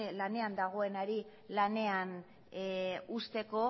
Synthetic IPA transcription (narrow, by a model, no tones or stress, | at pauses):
lane̞and̪aɣ̞o̞e̞naɾi | lane̞an | ust̪e̞ko̞